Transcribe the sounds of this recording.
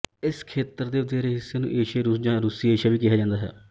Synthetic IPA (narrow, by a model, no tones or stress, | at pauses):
ɪskʰeːt̪əɾd̪eːʋəd̪ɛːɾeːɦɪsːeːnṵ̃ːʔeːʃeːɾuːsd͡ʒãːɾuːsiːeːʃaːʋiːkɪɦaːd͡ʒãːnd̪aːɦɛ̰ː